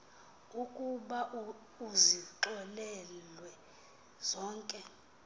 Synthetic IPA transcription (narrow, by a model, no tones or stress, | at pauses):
ukʼuɓa | uziǃɛlɛlwɛ | z̥ɔːŋkʼɛ